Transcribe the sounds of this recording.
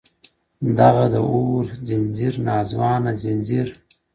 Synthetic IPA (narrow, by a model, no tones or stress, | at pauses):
d̪aɣad̪əʔoːɾzɪnziɾnɑːzwɑːnazɪnʲziɾ